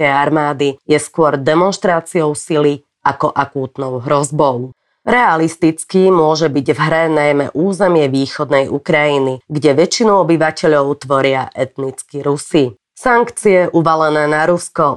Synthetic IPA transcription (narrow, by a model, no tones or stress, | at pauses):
ɛjaɾmaːd̪ijɛskʊɔɾd̪ɛmɔnʃt̪ɾaːt͡siɔʊsili | akɔʔakuːt̪nɔʊɦɾɔzbɔʊ | ɾɛalist̪it͡skimʊɔʒɛbiɟvɦɾɛnajmɛ̰ʔuːzɛmɪɛʋiːxɔd̪nɛjukɾajiniɡɟɛʋɛt͡ʃinuɔbiʋacɛʎɔʊt̪ʋɔɾɪaʔɛt̪nit͡skiɾusi | saŋkt͡siɛʔuʋalɛnɛːnaɾuskɔ